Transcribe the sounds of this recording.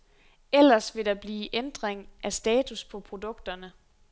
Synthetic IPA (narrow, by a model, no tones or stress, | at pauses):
el̰ɐsʋe̝ɾɑ̈b̥liːʔend̥ʁeŋʔæsd̥ɛːt͡sʰuspʰɒ̽pʰʁo̝d̥ɔ̽ɡ̥d̥ɐnə